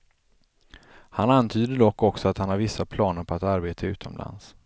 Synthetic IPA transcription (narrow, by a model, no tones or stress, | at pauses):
hanant̪ʰyːd̪əd̪ɔkːɔksɔat̪hanhaɾvɪsːapʰlɑːnəɾpʰɔat̪aɾbeːt̪ʰaʉ̟ːt̪ʰɔmla̰ns